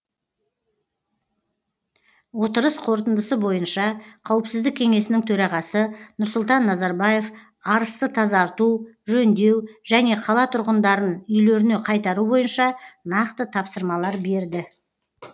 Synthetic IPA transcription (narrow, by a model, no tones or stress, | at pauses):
wo̞t̪əɾəsqʰo̞ɾt̪ənd̪əsəbo̞jənʃɑqʰɑwəpsɪzd̪ɪkʲʰe̞ŋe̞sɪnɪŋt̪ʰɵɾɑʁɑsənʊɾsʊlˠt̪ɑnːɑzɑɾbɑje̞f | ɑɾəst̪ət̪ʰɑzɑɾt̪uʒɵnd̪e̞wʒæne̞qʰɑlˠɑt̪ʰʊɾʁənd̪ɑɾənʏjleɾɪne̞qʰɑjt̪ɑɾubo̞jənʃɑnɑqt̪ət̪ʰɑpsəɾmɑlˠɑɾbe̞ɾd̪ɪ